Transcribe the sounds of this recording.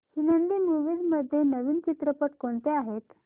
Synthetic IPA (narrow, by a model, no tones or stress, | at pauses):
hinənd̪iːmuʋiːd̪məd̪ʱːjenəʋiːnt͡ɕit̪ɾəpəʈkoɳt̪eaɦet̪